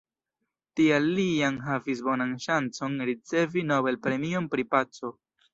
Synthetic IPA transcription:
tialianɦavis̬bo̞nanʃant͡so̞nɾit͡se̞vino̞be̞lpɾe̞mio̞npɾipat͡so̞

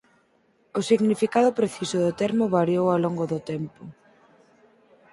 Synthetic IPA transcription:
ʊsiɣnifikaðʊpɾeθisʊðʊt̪ɛɾmʊβaɾjowalɔŋɡoðʊt̪ɛmpʊ

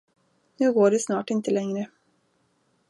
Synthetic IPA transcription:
nʉ̟ːɡoːɖɛsnɑːʈɪnt̪əlɛŋɾə

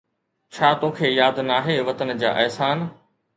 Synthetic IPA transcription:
t͡ɕʰaːt̪õːkʰeːjaːd̪naːɦeːʋɐt̪ənd͡ʑa̰ːʔɛɦsaːn

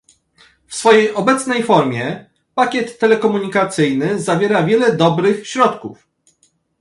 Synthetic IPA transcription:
fsfɔjejʔɔbɛt̪snɛjfɔɾmʲjɛ | pakʲɛt̪ːɛlɛkɔmuɲikat̪sɘjnɘzavʲjɛɾavʲjɛlɛd̪ɔbɾɘxɕɾɔt̪kuf

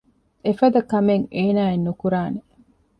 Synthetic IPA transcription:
efɐd̪ɐkɐmeŋeːnaːenːukuɾaːne

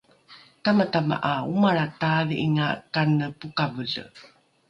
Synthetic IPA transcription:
tamatama̰ʔaumaɾataðiiŋakanəpukavəɮə̰

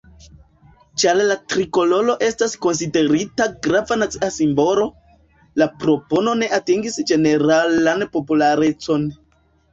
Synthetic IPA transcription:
t͡ʃaɾlatɾiko̞lo̞lo̞ʔe̞stasko̞nside̞ɾitaɡɾavanat͡siasimbo̞lo̞ | lapɾo̞po̞no̞ne̞ʔatiŋɡisd͡ʒe̞ne̞ɾalanpo̞pulaɾe̞t͡so̞n

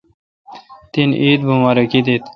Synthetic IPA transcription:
t̪iniːd̪̚bumaɾokid̪it̪

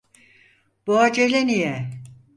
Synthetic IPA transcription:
b̥oad͡ʒelenijɛ

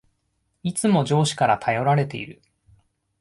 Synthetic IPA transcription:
it͡sɨmo̞d͡ʑo̞ːɕi̥kaɾat̪ʰajo̞ɾaɾe̞t̪e̞ḭɾɯ̟

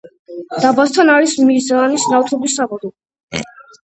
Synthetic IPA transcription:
d̪̥abast̪ʰanaɾismizaːnisnaft̪ʰɔbisːabɔd̪ɔ

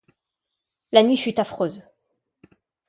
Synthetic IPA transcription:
lanɥifyt̪afχøːz

